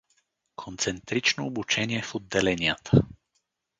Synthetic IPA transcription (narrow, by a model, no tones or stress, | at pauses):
kʰont̪sɛnt̪ɾit͡ʃnoːbut͡ʃɛniɛfod̪ːɛlɛnijət̪ʰə